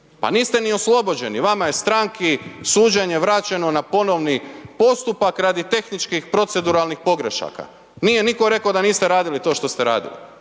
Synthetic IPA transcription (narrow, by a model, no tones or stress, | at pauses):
pa̰niːst̪e̞nio̞slˠo̞bo̞d͡ʑe̞niʋamaje̞st̪ɾaŋkʰisuːd͡ʑeɲe̞ʋɾat͡ɕe̞no̞napo̞no̞ʋnipo̞st̪upakɾad̪it̪e̞xnit͡ʃkixpɾo̞t̪se̞d̪uɾalnixpo̞ɡɾeʃa̰ka̰ | niːje̞niko̞ɾe̞kaod̪aniːst̪eɾaːd̪ilit̪o̞ːʃt̪o̞st̪eɾa̰ːd̪ḭlḭ